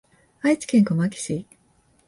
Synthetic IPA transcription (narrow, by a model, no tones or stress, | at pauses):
ait͡si̥kẽ̞ŋkomakʲi̥ɕi